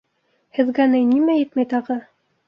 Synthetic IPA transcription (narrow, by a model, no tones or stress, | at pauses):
hɘ̆ðɡænɘnimæjɘt̪mæjt̪ɑʁɤ